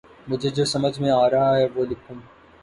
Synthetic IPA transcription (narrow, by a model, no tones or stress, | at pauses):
mʊd͡ʒʱed͡ʒoːsɐməd͡ʒʱmẽaːɾɐɦaɦɛʋoːlɪkʰũː